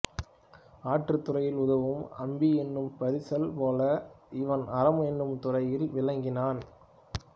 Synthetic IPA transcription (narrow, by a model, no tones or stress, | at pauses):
aːʈrɯt̪ːʊrɐjɪlʊðɐʋɯmɐmbiɛnːɯmpɐɾɪsɐlpoːlɐɪʋɐnʔɐɾɐmɛnːɯmt̪ʊrɐjɪlʋɪlɐŋɡɪnaːn